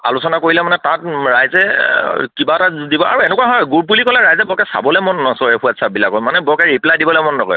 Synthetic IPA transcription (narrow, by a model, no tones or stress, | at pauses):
a̰lʊsɔnakoɹilɛmanɛtat̚ɹajzɛkibatadibɔa̰ɹuɛnɛkuwaɦɔjɡuɹp̬ulikɔlɛɹajzɛbɔkɛsa̰bɔlɛmɔnɔsɔɹɛxʰuatsabilakːɔjmanɛbɔkɛɹiplajdibɔlɛmɔnːɔɡɔ̰j